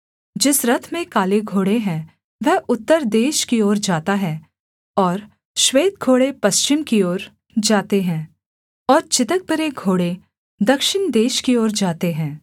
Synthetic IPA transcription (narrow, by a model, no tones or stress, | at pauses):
d͡ʒɪsɾɐt̪ʰmẽkaːleɡʱoːɽeɦɛ̃ | ʋɛɦʊt̪ːəɾd̪eːʃkioːɾd͡ʒaːt̪aɦɛː | ɔːɾ | ʃʋeːt̪̚ɡʱoːɽepɐst͡ʃɪmkioːɾ | d͡ʒaːt̪eɦɛ̃ː | ɔːɾt͡ʃɪt̪ək̚bəɾeɡʱoːɽe | d̪ɐkʃɪnd̪eːʃkioːɾd͡ʒaːt̪eɦɛ̃ː